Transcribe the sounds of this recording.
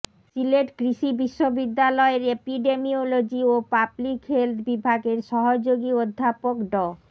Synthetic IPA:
sileʈkɾiʃibiʃːobid̪ːalɔeɾepiɖemiolod͡ʑiopablikɦelt̪ʰbibʱaɡeɾʃɔɦod͡ʑoɡiod̪ʱːapokɖɔ

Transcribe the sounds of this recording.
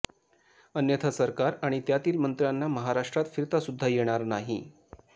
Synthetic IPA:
ənjət̪ʰasəɾkaɾaɽ̃it̪jat̪iːlmənt̪ɾjanːaməɦaɾaʂʈɾat̪fiɾt̪asud̪ʱːajeɽ̃aɾnaɦḭ

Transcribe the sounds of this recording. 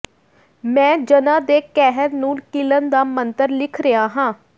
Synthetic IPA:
mɛ̃ːd͡ʒənãːd̪eːkɛːɦəɾnũːkɪlənd̪aːmənt̪əɾlɪkʰɾəaːɦãː

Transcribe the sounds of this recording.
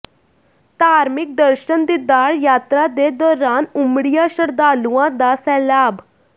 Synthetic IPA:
t̪aːɾmik̚d̪əɾɕənd̪id̪aɽjat̪ɾad̪ed̪ɔːɾaːnumɽijaɕəɾd̪aluãd̪asɛːlaːb

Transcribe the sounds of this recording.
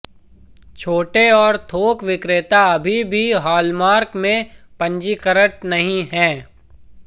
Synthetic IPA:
t͡ʃʰoːʈeɔːɾt̪ʰoːkʋɪkɾɪt̪aɐbʱibʱiɦaːlmaːɾkmẽpɐ̃ɲd͡ʒikəɾəʈ̚nɐɦĩɦɛ̃ː

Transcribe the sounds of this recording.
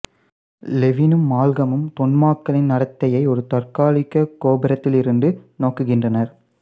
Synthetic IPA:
lɛʋɪnɯmːaːlɣɐmɯmt̪ɔɳmaːkːɐlɪnːɐɽɐt̪ːɐjɐɪɔɾɯt̪ɐrkaːlɪkːɐkːoːbɪɾɐt̪ːɪlɪɾɯnɖɯnoːkːɯɣɪndrɐnɐɾ

